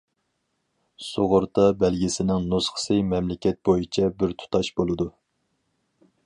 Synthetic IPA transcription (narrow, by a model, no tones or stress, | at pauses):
soʁʊɾt̪ɑbɛlɡʲisɪnɪŋnosχə̥sɨmɛmlɪkʲɛt̪̚bojit͡ʃʰɛbɪɾt̪ʰu̥t̪ʰɑʃbolˠɨd̪u